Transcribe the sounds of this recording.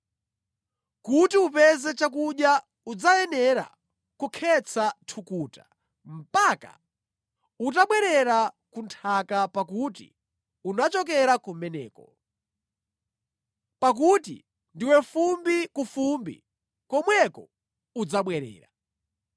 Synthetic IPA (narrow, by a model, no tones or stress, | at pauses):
kutiupɛzɛt͡ʃak̬uɗja | ud͡zajɛnɛɾa̰ | kukʰɛt͡sʰatʰukuːta | m̩paka̰ | ut̬aɓwɛɾɛɾakuntʰakapakutḭ | unat͡ʃɔkɛɾakumɛnɛ̰ːkɔ | pak̬utḭ | ndiwɛfumbikufumbḭ | kɔmwɛkɔ | ud͡zaɓwɛɾɛ̰ːɾa̰